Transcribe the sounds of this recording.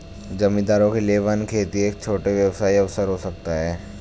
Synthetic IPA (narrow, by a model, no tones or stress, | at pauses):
d͡ʒɐmĩd̪aːɾõkelieʋankʰeːt̪ieːk̚t͡ʃʰoːʈeʋjɐʋsaːiɐʋsəɾɦosɐk̚t̪aɦɛː